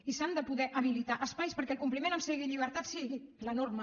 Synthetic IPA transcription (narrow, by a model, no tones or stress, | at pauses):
isand̪əpuðɛʔəβ̞ilit̪aʔəspajspəɾkɛəlˠkumplimẽnəmseɣiʎiβ̞əɾt̪at̪siɣilənoɾmə